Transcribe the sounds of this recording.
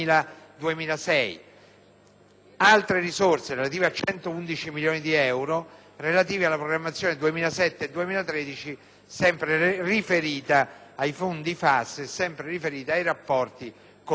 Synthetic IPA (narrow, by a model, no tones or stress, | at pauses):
iːlad̪uemiːlasɛj | alt̪ɾeɾizorseɾelat̪iːveat͡ʃːɛnt̪ound̪it͡ʃimiljoːnid̪iɛwɾo | relat̪iːvialːapɾoɡɾamːat̪sːjoːned̪uemiːlasɛt̪ːed̪ːuemiːlat̪ɾed̪it͡ʃi | sɛmpɾerifeɾiːt̪aːjfond̪ifasːisɛmpɾerifeɾiːt̪eajrapːɔrt̪i | k